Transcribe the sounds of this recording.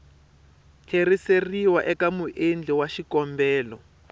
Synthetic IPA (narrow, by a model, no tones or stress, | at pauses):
kʰeriseriwaʔɛkamuʔend͡ɮɛwaʃikɔmbɛːlɔ